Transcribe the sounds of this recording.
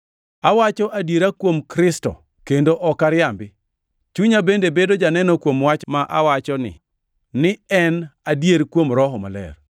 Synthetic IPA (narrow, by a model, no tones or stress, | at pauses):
awat͡ʃɔʔadjeɾakwomkɾɪstɔ̰ | kendoʔɔkaɾjambɪ | t͡ʃuɲabendebedod͡ʒanɛnɔkwomwat͡ʃmaʔa̰wat͡ʃɔnɪ̰ | nɪɛnadjeɾkwomɾɔɦɔma̰lɛ̰r